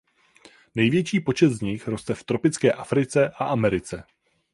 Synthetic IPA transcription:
nɛjvjɛt͡ʃiːpo̞t͡ʃɛt̪zɲɪxɾo̞st̪ɛft̪ɾo̞pɪt͡skɛːʔafɾɪt͡sɛʔaʔamɛɾɪt͡sɛ

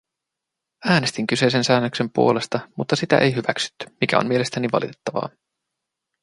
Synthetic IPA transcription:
æːne̞st̪iŋk̟yse̞js̬ensæːnːøkse̞mpṵo̞le̞st̪ɑmut̪ːɑsit̪æ̰ʔejɦyʋæksy̥t̪ːy̥mikʰæ̰o̰mie̞le̞st̪æniʋɑ̰lḭt̪e̞̥t̪ːɑʋɑ̰ː

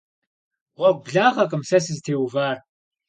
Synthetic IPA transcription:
ʁʷɔɡ̚ʷbɮaːʁɐkʼɨmsɐs̬ɨztʰeːwvaːr

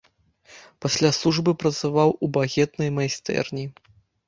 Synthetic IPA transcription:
pasʲlʲasˠuʐbɨpɾɐt̪savawubaɣʲɛt̪nɐjmajst̪ɛ̰rnʲi

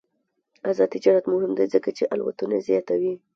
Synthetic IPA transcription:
azɑd̪id͡ʒɑɾat̪mʊhɪmd̪ajzəkat͡ʃeʔalwa̰t̪unazjɑt̪awi

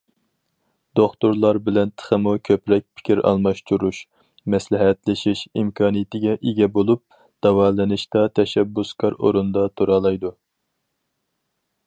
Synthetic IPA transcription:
d̪̥oχt̪uɾlˠɑɾbɪlɛnt̪ʰə̥χəmukʲʰøpɾɛk̚ʲpʰɪ̥kʲʰiɾɑ̰lˠmɑʃt̪ʰuɾuʃ | mɛslɪɦɛt̪lɪʃiʃimkʰɑːnijɪt̪ɪɡʲɛʔeɡʲɛbolˠup̚ | d̪̥ɑwɑːlɨnɨʃt̪ɑt̪ʰɛʃɛbːuskʰɑɾo̰ɾund̪ɑt̪ʰuɾɑlˠɑjd̪u

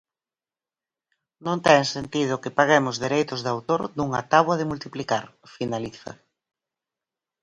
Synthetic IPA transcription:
nõnt̪ɛŋsent̪ið̞ʊkɪpaɣemʊzðeɾejt̪ʊzðawt̪oɾd̪uŋɐt̪aβwɐðɪmult̪iplikaɾfinaliθɐ̰

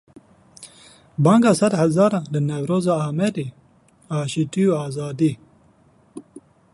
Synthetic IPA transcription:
bɑːŋɡɑːsɐd̪hɐzɑːɾɑ̃ːnlɨnɛwɾoːzɑːaːmɛɾeː | aːʃiːt̪ijuːaːzɑːd̪iː

